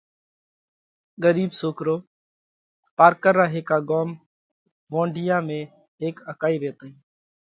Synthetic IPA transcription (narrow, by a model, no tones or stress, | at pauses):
ɡəɾiːbsoːkɾoː | paːɾkəɾːaːɦeːkaːɡoːm | ʋõːɳɖʱɪjaːmẽː | ɦeːkəkaːiːʋeːt̪aːĩː